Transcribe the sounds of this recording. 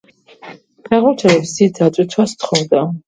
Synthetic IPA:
pʰɛʁɔɾt͡ʃʰɛlɛpsid̪̚d̪at̪sʼit̪ʰwast̪ʰχɔvd̪a

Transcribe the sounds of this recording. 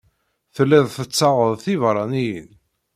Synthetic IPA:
θəlːæðθət͡sːɑʁəðˤθivɾˤɑnijən

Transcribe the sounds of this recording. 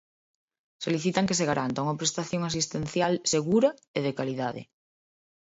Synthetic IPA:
soliθit̪aŋkeseɣ̞aɾʔant̪auŋapɾest̪aθjoŋas̬ist̪ẽn̟θjalseɣuɾaeð̞ekaliðaðḛ

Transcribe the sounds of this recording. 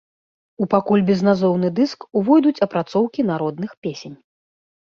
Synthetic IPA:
upakulʲbʲɛznazɔwnɨd̪ɨskuvɔjd̪ut͡sʲɐpɾat̪sɔwkʲinaɾɔd̪̚nɨxpʲesʲenʲ

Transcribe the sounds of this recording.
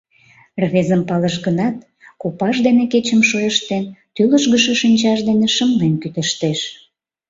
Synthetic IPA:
rβezəmpɑləʃɡənɑt̪̚ | kopɑʃd̪eneket͡ɕəmʃojəʃt̪ent̪yləʒɣəʃə̆ʃinʲt͡ɕɑʃd̪eneʃəmlenkyt̪əʃt̪eʃ

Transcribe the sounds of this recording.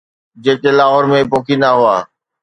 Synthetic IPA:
d͡ʑeːkelaːɦoɾmẽpoːkʰinaɦʊaː

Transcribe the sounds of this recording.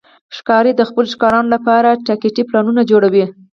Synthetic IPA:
ʃkɑɾed̪əxpəloʃkɑɾɑnolapɑɾaʈakeʈiplɑnunad͡ʒoɽawi

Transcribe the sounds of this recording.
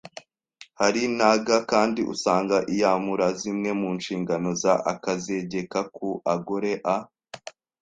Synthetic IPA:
haɾinaɡakaːndiʔṵsaːŋɡaʔijamuɾazimŋe̞muːnʃiːŋɡano̞zaʔakaze̞ɟe̞kakuʔaɡoɾe̞ʔa

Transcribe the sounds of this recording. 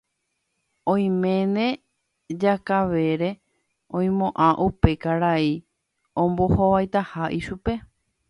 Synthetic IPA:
õj̃mẽnẽ̞ | d͡ʒakaʋe̞ɾe̞ | õj̃mõʔãʔupe̞kaɾai | õmbo̞hoʋajt̪ahaʔiʃupe̞

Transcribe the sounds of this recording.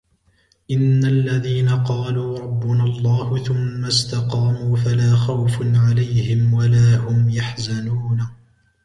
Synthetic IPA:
ʔɪnːaʔlːaðiːnaqɑːluːɾˤɑbːʊnalˤːɑːhʊθʊmːast̪ɑqɑːmuːfalaːxawfʕalajhɪmwalaːhʊmjaħzanuːna

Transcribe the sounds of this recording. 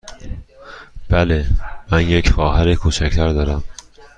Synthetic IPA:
b̥ælemænjecxɒːɦæɾekʰuːt͡ʃʰæcʰt̪ʰæɾd̪ɒːɾæm

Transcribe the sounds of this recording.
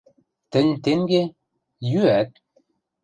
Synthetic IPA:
t̪ə̆nʲt̪eŋɡe | jyæt̪̚

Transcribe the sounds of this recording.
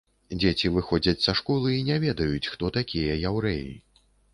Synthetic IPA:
d͡zʲet͡sʲivɨxɔd͡zʲɐt͡sʲsɐʂkɔlˠɨinʲɛvʲɛd̪ɐjut͡sʲxt̪ɔt̪akʲʰijɐjawɾɛjḭ

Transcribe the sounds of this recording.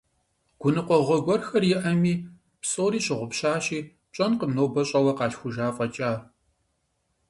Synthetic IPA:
ɡ̥ʷʊnɨqʷɔʁʷɔɡʷɔrxɐrjɪʔɐmiː | psʼoːɾiːɕɪʁʷʊpɕaːɕiː | t͡ʃʼɐnqəmnoːbɐɕʼɐwɐqɑːɬxʷʊʒaːfʼɐt͡ʃʼaː

